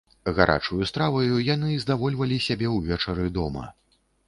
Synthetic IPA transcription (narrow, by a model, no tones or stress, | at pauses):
ɣaɾʔa̰t͡ʂujust̪ɾavɐjujanɨzd̪avɔlʲvɐlʲisʲabʲɛwvʲɛt͡ʂɐɾɨd̪ɔmɐ̰